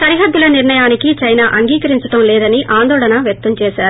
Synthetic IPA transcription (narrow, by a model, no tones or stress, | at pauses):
sɐɾiɦɐd̪ːulɐniɾɳɐjaːnikit͡ʃɐjnaːʔɐŋɡiːkɐɾiɲt͡ʃɐʈɐmlɛːd̪ɐniʔaːnd̪ɔːɭɐnɐʋjɐk̚t̪ːɐmt͡ʃɛːsaːɾu